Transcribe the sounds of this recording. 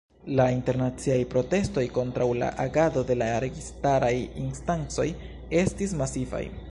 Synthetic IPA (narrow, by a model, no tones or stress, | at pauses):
lainte̞ɾnat͡siajpɾo̞te̞sto̞jko̞ntɾawla̰ʔaɡado̞de̞laɾe̞ɡistaɾajinstant͡so̞j | e̞stis̬masiva̰j